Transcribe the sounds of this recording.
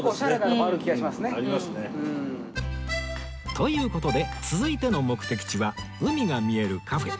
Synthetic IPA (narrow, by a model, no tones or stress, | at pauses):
d̪ɾɯiɡaimasɨneaɾʲimasnẽ | t̪ʰo̞jɯ̟ːko̞t̪o̞d̪e̞t͡sɨzɨit̪e̞no̞mo̞kɯ̟̥t̪e̞kʲi̥t͡ɕiβa | ɯ̟mʲiɡamʲie̞ɾɯ̟kʰaɸe̞